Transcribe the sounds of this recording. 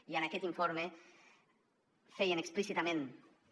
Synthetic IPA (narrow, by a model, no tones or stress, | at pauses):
ianakɛt̪iɱfoɾme | fejeneksplisit̪amẽn